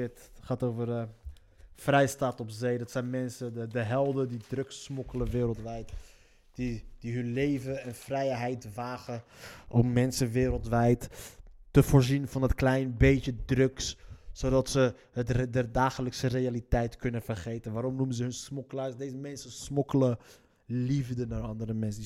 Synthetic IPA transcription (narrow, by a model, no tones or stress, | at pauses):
tχaːtowvər | frɛjstatɔpzejdɔtsɛjnmɛnsəədəɦɛlˠdədidrøksmɔkələʋɪːɾəlˠtʋɛjt | d̥id̥iɦɵnlejvəənfrɛjɦɛjtʋaːχəʔɔmːɛnsənʋɪːɾəlˠtʋɛjttəvoːɹzinvɑnətklɛjnbejtədrøksːodɑtsə | ətdərdaːχələksərejalitɛjtkɵnənvərχejtənʋaːɾɔmnuməzəɦɵnsmɔkəlaːsdezəmɛnsənsmɔkələ | livdənaɹɑndəɾəmɛnsəi